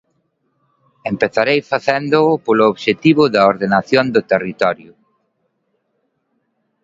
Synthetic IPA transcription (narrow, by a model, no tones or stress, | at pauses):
empeθaɾejfaθend̪ʊʊpolʊoβʃet̪iβʊðɐoɾðenaθjond̪ʊt̪erit̪ɔɾjʊ